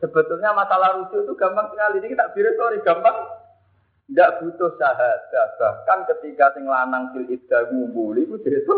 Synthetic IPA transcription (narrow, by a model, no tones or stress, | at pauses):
səbə̤t̪ʊlɲamasalahɾud͡ʒʊt̪uɡ̥ambaŋsəŋalinikit̪aʔb̥iɾɪsoɾiɡ̥ambaŋ | ndaʔb̥ut̪ʊhsaɦat̪̚sasahkankət̪ikasɪŋlanaŋkilit̪̚ɡ̥amumbulibud̪et̪u